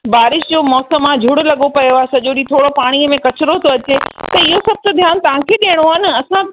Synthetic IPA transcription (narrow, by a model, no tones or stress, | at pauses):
baːɾɪʃd͡ʑoːmɔːsəmːãd͡ʑʱʊɽlɐɠopɐjoaːesɐʄoɗit̪ʰoːɽopaːɽ̃iəmẽkɐt͡ɕɪɾot̪ʰoɐt͡ɕet̪ɐɪɦosɐb̚ʱt̪od̪ʱjaːnt̪ɐʋ̤ãkʰeɗeəɽ̃oaɦɪnɪ̆ɐsã